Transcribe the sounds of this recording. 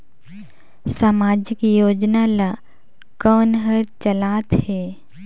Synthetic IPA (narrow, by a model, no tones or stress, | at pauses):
saːmaːd͡ʒɪkjoːd͡ʒnala | kɔːnɦəɾt͡ʃɐlaːt̪hɛː